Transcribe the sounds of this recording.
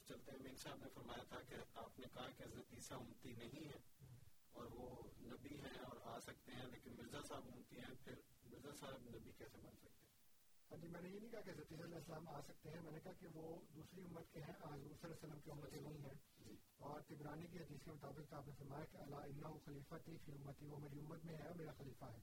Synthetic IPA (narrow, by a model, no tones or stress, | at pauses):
t͡ʃɐlt̪eɦɛ̃miːnsaːbnefɐɾmaːjat̪ʰakeaːpnekɐɦakeɐzɐt̪iːsaʊmt̪inɐɦĩɦɛ̃ː | ɔːɾʋonɐbiɦɛ̃ɔːɾaːsɐk̚t̪eɦɛ̃leːkɪnmɪɾzasaːɪbʊmt̪iɦɛ̃pʰɪɾ | mɪɾzasaːɦɪbnɐbikɛːsebɐnsɐk̚t̪eɦɛ | hɐd͡ʒiːmɛ̃ːnejenĩkɐɦakeɐzət̪iːsalɛːɪsəlaːmaːsɐk̚t̪eɦɛ̃mɛ̃ːnekɐɦakeʋoːd̪uːsɾiʊmːət̪keɦɛ̃ʔaːzuːɾsɐlɛsɐlːəmkiʊmːət̪ẽnɐɦĩɦɛ̃ː | d͡ʒ | ɔːɾt̪ɪbɾaːnik̬iɦɐd̪iːskemʊt̪aːbɪqt̪oaːpnẽfɐɾmaːjakeɐlaɪnːaɦuxɐliːfat̪ikiʊmːət̪iʋomeːɾiʊmːət̪mẽɦɛɔːɾmeːɾaxɐliːfaɦɛː